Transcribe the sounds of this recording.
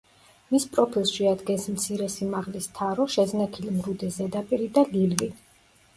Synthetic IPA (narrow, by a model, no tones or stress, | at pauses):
mispʼɾɔpʰilˠsʃɛad̪ɡɛnsmt̪sʰiɾɛsimaʁlist̪ʰaɾɔʃɛznakʰilimɾud̪ɛzɛd̪apʼiɾid̪alilvi